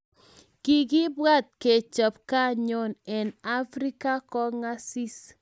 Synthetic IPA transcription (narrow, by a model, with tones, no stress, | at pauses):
ki˨ɡi˦bwa˦t̪̚ke˨t͡ʃə˨p̚ka˦ɲɔ˨nɛ˨na˦fɾi˦ka˦kɔ˦ŋa˦si˦s